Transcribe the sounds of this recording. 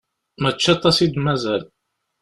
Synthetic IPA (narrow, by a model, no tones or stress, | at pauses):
mæt͡ʃːat̪ˤːɑsid̪mæzæl